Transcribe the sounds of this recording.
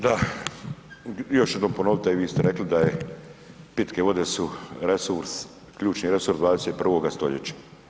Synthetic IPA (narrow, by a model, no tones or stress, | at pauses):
d̪a | jo̞ʃjed̪nompono̞ʋit̪aiʋiːst̪eɾe̞klid̪aje | pit̪keʋo̞d̪esuɾesuɾs | kʎuːt͡ʃniɾe̞suɾsd̪ʋaːd̪eset̪pr̩ʋo̞ɡast̪o̞ʎet͡ɕḁ